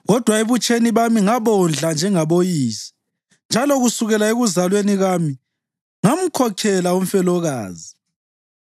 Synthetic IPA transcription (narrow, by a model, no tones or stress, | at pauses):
ɣɔd̥ʱwaeβut͡ʃʼʰeniβamiŋaβɔnd͡ɮʱand͡ʒʱɛŋaβojiːsi̥ | nd͡ʒʱalɔɣusuɣɛlaeɣuzalweniɣami | ŋam̩kʰɔkʰɛlaum̩fɛlɔɣaːzi